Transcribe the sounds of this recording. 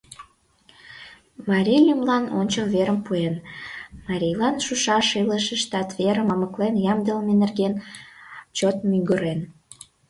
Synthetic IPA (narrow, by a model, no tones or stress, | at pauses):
mɑɾʲijlʲymlɑno̰nʲt͡ɕəβeɾəmpuenmɑɾʲijlɑnʃuʃɑʃiləʃə̆ʃt̪ɑt̪βeɾəmɑməklenjɑmd̪əlmenerɡen | t͡ɕot̪̚myŋɡəɾen